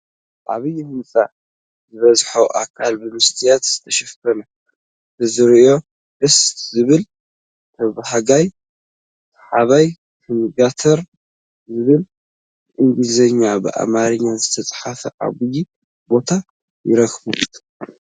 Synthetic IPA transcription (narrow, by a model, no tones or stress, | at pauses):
ʔa̰βɨjːihɨmsʼa̰ | zɨβɐzħoʔakʰalbɨmɨst̪ʰijat̪z̥ɨt̪ʰɐʃɐft̪ʰɐnɐ | dɨzɨɾo̞ | ʔɨst̪zɨβɨl | t̪ʰɐβahaɡaj | t̪ʰħaβaj | kʰɨnɨɡat̪ʰɐɾ | zɨβɨl | ʔɨŋɡlizɐɲːabɨ̰ʔa̰maɾɨɲːazɨt̪ʰɐt͡sʼħafɐʔa̰βɨji | bo̞t̪ʰa | jɪɾɐkbu